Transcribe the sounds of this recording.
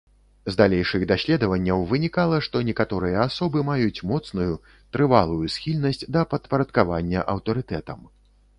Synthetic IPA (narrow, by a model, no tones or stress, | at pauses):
zd̪alʲejʂɨɣd̪asʲlʲɛd̪ɐvɐnʲːɐwvɨnʲikalˠɐʂt̪ɔnʲɛkat̪ɔɾɨjɐasɔbɨmajut͡sʲmɔt̪snuju | t̪ɾɨva̰lˠujusxʲilʲnɐsʲt͡sʲd̪ɐpɐt̪pɐɾɐt̪̚kava̰nʲːɐʔɐwt̪ɐɾɨt̪ɛt̪ɐm